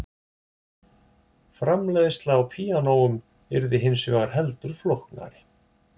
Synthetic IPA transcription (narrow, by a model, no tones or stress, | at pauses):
fɾamlɛðʏst̪laːwpʰiːanoːwʏm | ɛɾðɪɦɪnsœɣaɾ̥ɦɛlt̪ʏɾ̥flowhkna̰ɾɪ